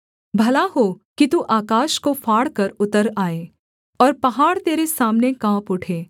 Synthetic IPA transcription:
bʱɐlaɦokit̪uʔaːkaːʃkofaːɽkɐɾʊt̪əɾaːeː | ɔːɾpɐɦaːɽt̪eːɾesaːmnekãːpʊʈʰeː

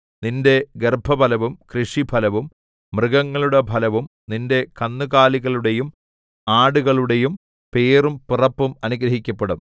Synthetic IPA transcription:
ninde̞ɡerbʱɐbʱɐlɐʋumkrɨʂibʱɐlɐʋumː | rɨɣɐŋːɐɭuɽe̞bʱɐlɐʋumninde̞kɐnːuɣaːliɣɐɭuɽe̞jum | aːɽuɣɐɭuɽe̞jum | pe̞ːrumpurɐpːumɐnuɡɾɐɦikʲːɐpːeɽum

